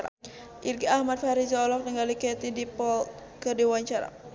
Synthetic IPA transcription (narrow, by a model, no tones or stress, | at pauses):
a | ʔirɡiahmad̪̚faɾizɔɔlɔk̚t̪əŋɡalikɛt̪idipɔl | kɨrdiwaɲt͡ʃaɾa̰